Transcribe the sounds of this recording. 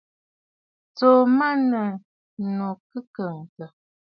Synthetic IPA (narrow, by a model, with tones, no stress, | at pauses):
t͡so˨ma˦nə˨ | no˨kɨ˦kə˨ŋ˨tə˨